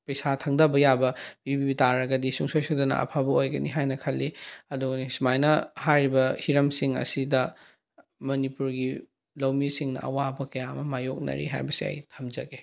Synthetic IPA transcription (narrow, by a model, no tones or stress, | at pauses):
pɐjsatʰɐŋdɐbɐjabɐb̥ibibitaɾɐɡɐdisuŋsojsodɐnɐ̰ɐ̰pʰabɐojɡɐniɦajnɐkʰɐlːiɐduɡɐnismajnɐhajɾibɐhiɾɐmsiŋɐ̰sidɐ | mɐnipuɾɡi | lɐwmisiŋnɐ̰ʔɐ̰wabɐkɐjamɐmajok̚nɐ̰ɾḭɦa̰jbɐsiɐ̰jtʰɐmd͡ʒɐɡe